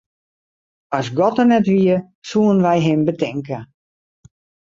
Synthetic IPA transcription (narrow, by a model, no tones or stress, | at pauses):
ɔsɡɔtərnɛtʋiə | suənʋɛjɦɪmbətɛŋkə